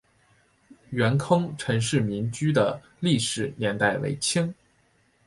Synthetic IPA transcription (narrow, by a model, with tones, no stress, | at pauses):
ɥɛ˧˥nkʰɤ˥ŋʈ͡ʂʰɤ˧˥ŋʂɻ̩˥˩mi˧˥nt͡ɕy˥d̪ə˨ | li˥˩ʂɻ̩˨˩njɛ˧˥nt̪a˥˩ɪwḛ˧˥ɪt͡ɕʰi˥ŋ